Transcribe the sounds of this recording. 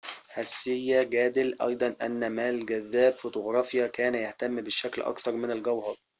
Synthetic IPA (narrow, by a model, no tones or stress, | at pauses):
hæsːɪjːæɡæːd̪ɪlʔɑ̰jd̪ˤɑnʔæ̰nːæmæːlɡæðːæːbfot̪oɣɾˤɑːfjækæːnæjaht̪æmːbɪʃæklʔɑ̰kθɑɾˤmɪnalɡæwhɑɾˤ